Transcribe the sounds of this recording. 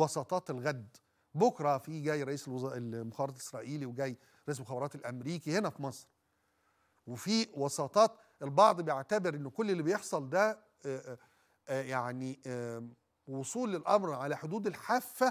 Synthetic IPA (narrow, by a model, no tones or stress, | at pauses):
wɑsˤɑːt̪ˤɑːt̪elɣæd̪ | bokɾˤɑfiɡæːjɾˤɑʔiːselwzelmoxæɾɑʔesɾˤɑːʔiːliweɡæːj | ɾˤɑʔisemoxæbɾɑːt̪elʔæmɾiːkihenæfimɑsˤɾ | wefiwɑsɑːt̪ˤɑːt̪ | ʔelbɑʕd̪ˤbejeʕt̪æbeɾʔenːokolːelːibejeħsˤɑld̪æ | jaʕni | wosˤuːlːelʔɑmɾʕalæħod̪uːd̪elħaːfːæ